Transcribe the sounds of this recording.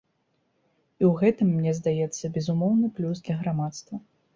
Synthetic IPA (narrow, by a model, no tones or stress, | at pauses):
iwɣɛt̪ɨmːnʲɛzd̪ajɛt̪sːɐbʲɛzumɔwnɨplʲuzd̪lʲɐɣɾamat̪st̪vɐ